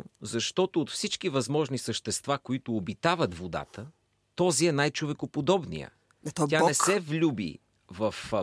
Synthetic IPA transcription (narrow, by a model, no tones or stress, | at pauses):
zɐʃt̪ɔt̪oːt̪fsit͡ʃkivɐzmɔʒnisəʃt̪ɛst̪vakoit̪ʊːbit̪avət̪vod̪a̰t̪ə | t̪ɔziɛnajt͡ʃovɛkopod̪ɔbnḭjə̰ | tʲjanɛsɛvlʲubḭ | vəf